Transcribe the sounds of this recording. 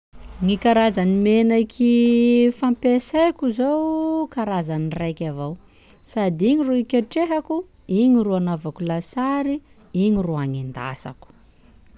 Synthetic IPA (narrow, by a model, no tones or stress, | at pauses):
ŋikaɾazanimenakʰifampesajkʲuzowkaɾazanirajkʲavow | sad̪iɲiruikʲeʈ͡ʂeɦaku | iɲiruanavakulasaɾi | iɲiruaŋend̪a̰sa̰ku̥